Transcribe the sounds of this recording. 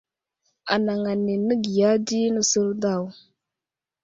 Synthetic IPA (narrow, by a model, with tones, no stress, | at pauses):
a̰˨na˨ŋa˨nːi˨nə˦ɡi˨ja˦di˦nə˨su˦ɾda˦˨w